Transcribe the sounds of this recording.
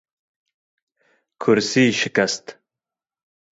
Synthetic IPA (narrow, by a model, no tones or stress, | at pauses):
kʰuɾsiːʃikɐst̪